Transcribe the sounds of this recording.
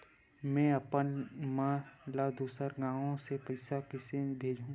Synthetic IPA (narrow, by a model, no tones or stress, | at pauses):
mɛ̃ɐpənmãlad̪uːsəɾɡãːʋõsepɪsakɪsebʱeːd͡ʒũ